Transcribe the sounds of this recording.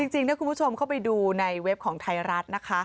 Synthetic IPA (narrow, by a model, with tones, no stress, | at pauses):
t͡ɕi˧ŋt͡ɕi˧ŋnɛ˦˥kʰu˧nbu˦˥t͡ɕʰo˧mkʰa˥˩wpa˧jduː˧na˧jwe˦˥p̚kʰɔː˩˦ŋt̪ʰa˧jɾa˦˥t̪̚na˦˥kʰa˦˥